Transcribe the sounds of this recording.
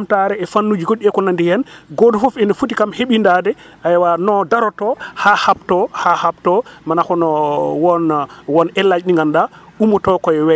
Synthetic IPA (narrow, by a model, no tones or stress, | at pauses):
mtaɾɛɛfanːud͡ʒiɡoɗːiɛkɔnandihɛnɡɔdɔfofɛndɔfutikamheɓindadɛ | ʔajwanɔdaɾɔtɔhahabtɔhahabtɔmanakɔnɔwɔnwɔnɛlːad͡ʒiɗiŋɡanda | umɔtɔkɔjɛwɛ